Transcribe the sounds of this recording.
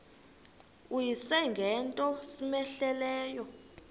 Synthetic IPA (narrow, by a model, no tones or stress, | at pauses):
ujisɛŋɡʱɛntʼɔsimɛɬɛlɛːjɔ